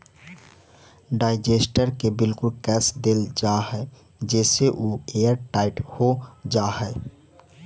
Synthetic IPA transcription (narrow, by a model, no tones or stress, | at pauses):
ɖaːɪd͡ʒesʈəɾkebɪlkʊlkɛːsd̪eld͡ʒaɦɛ | d͡ʒɛːseʔoːejəɾʈaːɪʈhod͡ʒaːɦɛ